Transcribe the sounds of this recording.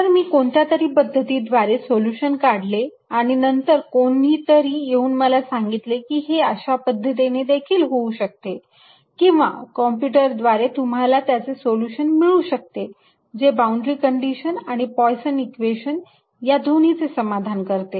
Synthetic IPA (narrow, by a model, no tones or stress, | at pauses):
t̪əɾmiːkoɳt̪jat̪əɾiːpəd̪ʱːət̪iːd̪ʋaɾesoljuɕənkaɽ̤le | aɽ̃inənt̪əɾkoɳiːt̪əɾiːjeuːnməlasaŋɡit̪lekiːɦeəɕapəd̪ʱːət̪̬ened̪ekʰiːlɦouɕək̚t̪e | kĩw̃ʋa̰kɔmpjuʈəɾd̪ʋaɾet̪um̤alat̪jat͡sesoluɕənmiɭuːɕək̚t̪e | d͡zebauɳɖɾiːkəɳɖiɕənaɽ̃ipɔjsənikʋeɕən | jad̪ʱoɽ̤̃it͡sesəmad̪ʱankəɾt̪e